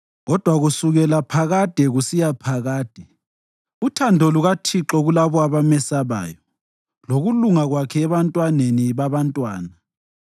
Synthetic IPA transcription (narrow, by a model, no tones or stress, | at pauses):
ɣɔd̥ʱwaɣusuɣɛlapʰaɣad̥ʱɛɣusijapʰaɣaːd̥ʱɛ | utʰandʱɔluɣatʰiǁɔɣulaβɔaβamɛsaβa̰ːjɔ | loɣuluŋaɣwakʰɛːβantʼwaneniβaβantʼwaːna